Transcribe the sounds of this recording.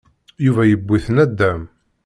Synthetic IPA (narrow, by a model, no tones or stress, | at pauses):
juvæjəbːiθənæd̪ːæm